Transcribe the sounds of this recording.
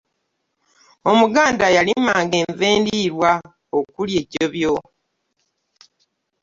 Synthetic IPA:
o̞muɡaːndajalimaːŋɡe̞ːɱveːndiɾwa | okulje̞ɟo̞βjo

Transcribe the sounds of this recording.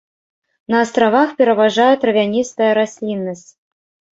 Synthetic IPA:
nɐːst̪rɑvɑxpʲeɾəvɑʐɑjət̪rɐvʲanʲist̪əjəɾasʲlʲinːəsʲtʲ

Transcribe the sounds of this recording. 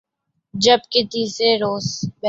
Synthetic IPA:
d͡ʒɐbkɪt̪iːsɾeɾoːsbɛ

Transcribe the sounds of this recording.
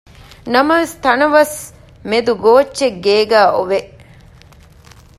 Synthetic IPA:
nɐmɐʋest̪ɐnɐʋɐs | med̪uɡoːt͡ʃːʃeɡːeːɡæːʔoʋe

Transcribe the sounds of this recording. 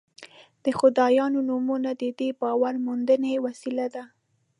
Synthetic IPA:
d̪̥əxʊd̪ɑjɑnonumunad̪əd̪ebɑwaɾmund̪ənewasilad̪a

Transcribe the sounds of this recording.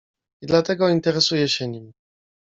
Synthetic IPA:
id̪lat̪ɛɡɔint̪ɛɾɛsujɛɕɛɲim

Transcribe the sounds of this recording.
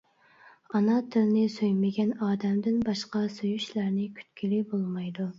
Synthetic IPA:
ɑnɑt̪ʰɪlnɪsøjmɪɡʲɛnɑːd̪ɛmd̪ɪnbɑʃqɑsojyʃlæɾnɪkʲʰy̥t̪kʲʰilibolˠmɑjd̪u

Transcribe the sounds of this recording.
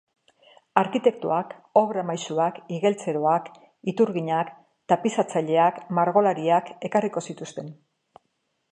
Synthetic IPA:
aɾkit̪e̞kt̪ṵako̞βɾamajsuakiɣe̞lt͡se̞ɾoak | it̪uɾɣiɲak | t̪apisat͡saʎe̞akmaɾɣo̞laɾiake̞kariko̞sit̪ust̪e̞n

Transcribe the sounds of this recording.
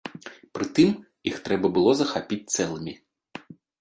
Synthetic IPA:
pɾɨt̪ɨm | jixt̪ɾɛbɐbɨlˠɔzɐxapʲit͡sʲt̪sɛlˠɨmʲi

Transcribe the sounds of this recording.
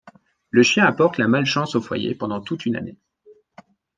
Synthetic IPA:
ləʃjɛ̃apɔʁt̪lamalʃɑ̃sofwa̰jḛpɑ̃d̪ɑ̃t̪ut̪yna̰ne

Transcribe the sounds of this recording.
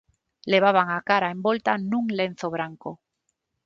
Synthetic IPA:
le̞β̞aβ̞aŋakaɾaẽ̞mbo̞lt̪anũŋle̞n̟θoβɾaŋko

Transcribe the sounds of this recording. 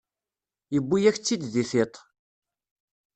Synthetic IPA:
jəbːijæçt͡sːid̪ðiθet̪ˤ

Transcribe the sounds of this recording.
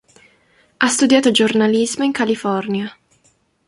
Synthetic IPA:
ast̪ud̪jaːt̪od͡ʒornalizmoiŋkalifɔrnja

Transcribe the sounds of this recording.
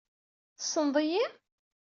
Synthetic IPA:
θsˤənðˤiji

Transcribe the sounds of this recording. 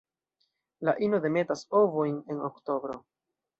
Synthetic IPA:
laʔino̞de̞me̞taso̞vo̞jne̞no̰kto̞bɾo̞

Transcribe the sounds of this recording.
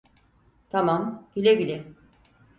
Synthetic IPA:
t̪ʰamamɟilʲɛɟilʲɛ

